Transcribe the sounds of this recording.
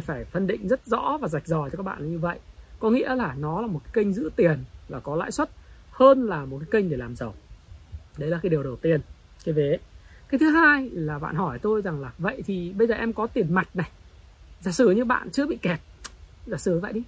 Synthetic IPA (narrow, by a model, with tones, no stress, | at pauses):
faː˧˩jfə˧nɗḭ̈˧˨ŋ̟zə˦˥t̚zɔ̰˧˥vaː˨˩za˨˩jk̟̚zɔ˨˩jt͡ɕɔ˧kaː˦˥k̚ɓ̰ːlːɲɨ˧və̰˧˨jʔkɔ˨˦ŋḭ˧˥əlaː˨˩nɔ˨˦laː˨˩mo˨˩t̚kaː˨˦kə˧jŋ̟zɨ̰˧˥t̪i˨˩ənlaː˨˩kɔ˨˦la̰ː˧˨jswə˦˥t̚həː˧nlaː˨˩mo˨˩kaː˨˦kə˧jŋ̟ɗe˧˩laː˨˩mzə˨˩w | ɗə˧jlaː˨˩kaː˨˦ɗəwɗə˨˩wt̪i˧˩ən | kaː˨˦jve˨˦kaː˨˦jt̪ʰɨ˨˦ɦaː˧jlaː˨˩ɓa̰ː˧˨nhɔ˧˩jt̪o˧jza˨˩ŋlaː˨˩və̰˧˨jt̪ʰi˨˩ɓə˧jzəː˨˩ʔɛ˧mkɔ˨˦t̪i˨˩ənma˨˩jt̚na˨˩j | zaː˧˩sɨ˨˩ɲɨ˧ɓa̰ː˧˨nt͡ɕɨ˧əɓḭ˧˨kɛ˨˩t̚zaː˧˩sɨ˨˩və̰˧˨jɗi˧˦